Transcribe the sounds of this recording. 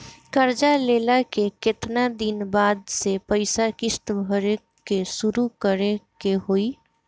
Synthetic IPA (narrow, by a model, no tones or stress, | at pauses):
kəɾd͡ʒaleːlakekɪt̪nad̪inbaːd̪sepəɪsakɪst̪bʱəɾe | kesuɾukəɾekeɦoi